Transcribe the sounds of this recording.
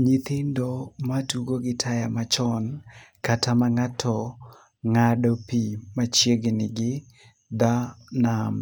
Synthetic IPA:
ɲit̪ɪndɔmatuɡoɡɪtʰajamat͡ʃɔnkatʰamaŋatʰɔ | ŋadɔpimat͡ʃjeɡenɪɡɪ | d̪anam

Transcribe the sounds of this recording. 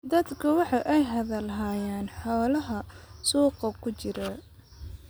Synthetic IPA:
d̪ɐd̪kʰɐwɑħɑʔɛjɦɐðɐlɦaːjaːnħɔːlɐɦɐsuːqɐkʰʊt͡ʃɪɾɐ

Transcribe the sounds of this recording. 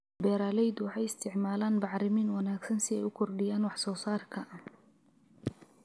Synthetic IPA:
bɛːɾaːlɛjd̪wɑħɑjɪst̪ʰɪʕmaːlaːnbɑʕɾɪmiːnwɑnaːɡsɐnsɪɛjʊkʰɔrɖɪjaːnwɑħsɔːsaːrkʰɐ

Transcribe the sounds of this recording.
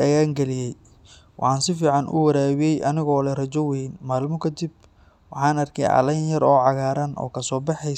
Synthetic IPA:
ɐjaːŋɡɛlɪjɛj | wɑ̰ħɑːnsɪfiːʕɑnʔʊ̰wɐɾaːwɪjɛjʔɐnɪɣɔːlɛrɐt͡ʃɔwɛjnmaːlmɔkʰɐd̪ib̚ | wɑħɑːnɐrkʰɛ̰jʕɑ̰lɐjnjɐɾɔːʕɑɣaːɾɐnʔɔ̰ːkʰɐsɔːbɑħɛ

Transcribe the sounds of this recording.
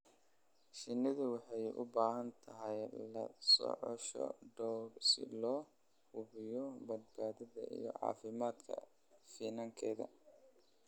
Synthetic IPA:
ʃɪnːɪðʊwɑħɑjʊ̰baːɦɐnt̪ʰɐɦɛjlɐ̰sɔ̰ʕɔ̰ʃɔ̰ɖɔwrsɪ̰lɔː | hʊβɪjɔbɐd̪̚baːðɐðɐʔḭjɔ̰ʕɑ̰ːfɪmaːd̪kʰɐ̰ | fiːnaŋkʰɛːðɐ̰

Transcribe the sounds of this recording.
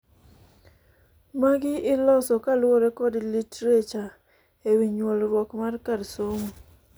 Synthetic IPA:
maɡɪɪlɔsɔkalwɔɾekɔdlitɾet͡ʃa | ewiɲwɔlɾwɔkmarkadsoŋo

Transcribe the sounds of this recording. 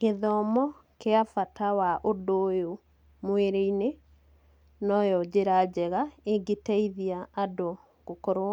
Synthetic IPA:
keðɔmɔ | keafatawaʔodojo | mweɾeine | nɔjɔd͡ʑeɾad͡ʒɛɣaeɡetaiðiaːdo | ɡ̥okɔɾo

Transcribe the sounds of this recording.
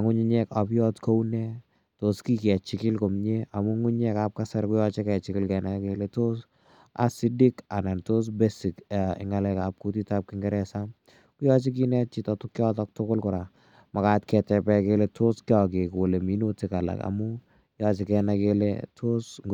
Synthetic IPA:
aŋʊɲiɲɛkapjɔtkownɛ | toskikɛt͡ʃɪkɪlkomɲeamuŋʊɲɛkap̚kasaɾkʊjɔt͡ʃekɛt͡ʃɪkɪlkɛnakeletos | a̰sidikanantos̬besikaɪ̰ŋalɛkap̚kutitap̚kɪŋɡɛɾɛsam | kʊjɔt͡ʃik̬inɛt͡ʃitɔtʊkjɔtɔk̚tʊkʊlkʊɾa | makatkɛtɛpɛkeletʰoskiɔk̬ekoleminotikala̰ka̰mu | jɔt͡ʃekɛnakelḛtʰosŋ

